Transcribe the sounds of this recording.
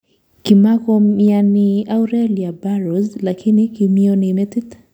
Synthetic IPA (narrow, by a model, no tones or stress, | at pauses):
kimakoianiawɾeliabaɾozlakʰinikimionimet̪it̪